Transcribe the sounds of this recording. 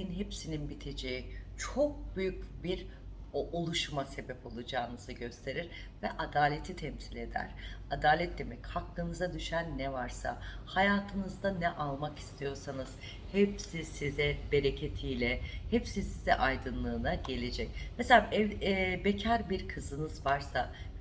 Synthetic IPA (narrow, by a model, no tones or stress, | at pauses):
iinɦepsininbit̪ʰe̞d͡ʒejit͡ʃʰo̞k̚byjycbiɾ | ʔolˠuʃumase̞bɛpo̞lˠud͡ʒaːnɯzɯɟø̞st̪ʰe̞ɾiɾ | vɛʔad̪aːlʲe̞t̪ʰit̪ʰɛmsilʲe̞d̪æ̰ɾ̥ad̪aːlʲɛt̪̚d̪e̞mɛchaklˠɯnɯzad̪yʃænːɛvaɾsa̰hajaːt̪ʰɯnɯzd̪anɛʔalˠmaki̥st̪ʰijo̞ɾsanɯz̥ | hɛpsisizɛbe̞ɾe̞cʰe̞t̪ʰijlʲɛhɛpsisizɛ̰ʔajd̪ɯnlˠɯːnaɟe̞lʲe̞d͡ʒɛc̚mɛselʲaʔɛbecʰæɾbiɾkʰɯzɯnɯzvaɾsa